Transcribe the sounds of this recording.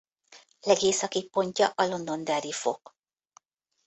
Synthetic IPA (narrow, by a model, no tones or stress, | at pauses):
lɛɡeːsɒkik̚po̞ɲcɒʔɒlo̞nd̪o̞nd̪ɛɾifo̞̰k